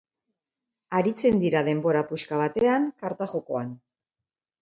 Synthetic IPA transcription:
aɾit͡se̞nd̪iɾaðe̞mbo̞ɾapuskaβ̞at̪e̞aŋkaɾt̪aʝo̞ko̞an

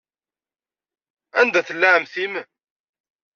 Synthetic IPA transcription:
ænd̪æθəlːaʕəmθim

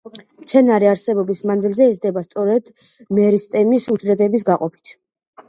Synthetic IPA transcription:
mt̪sʰɛnaɾiaɾsɛbɔbismanzilzɛːzd̪ɛbast̪sʼɔɾɛd̪ | mɛɾist̪ʼɛmisud͡ʒɾɛd̪ɛbis̬ɡaqʼɔpʰi̥t̪ʰ

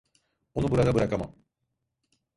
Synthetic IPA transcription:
onubuɾad̪abɯɾakama̰m

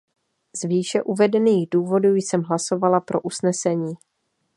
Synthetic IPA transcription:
zviːʃɛʔuvɛdɛniːɣduːvo̞duːjsɛmɦlaso̞valapɾo̞ʔusnɛsɛɲiː

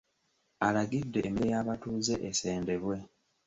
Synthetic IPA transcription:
alaɡidːe̞ːmiɾejaːβatuːze̞ʔese̞ːnde̞βwe̞

